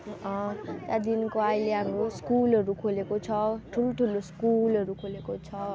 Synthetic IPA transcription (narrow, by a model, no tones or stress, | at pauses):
ʌ̃t̪jad̪inkoajleɦamroskulɦʌɾukʰolekot͡sʰʌʈʰuloʈʰuloskulʌɾukʰolekot͡sʰʌ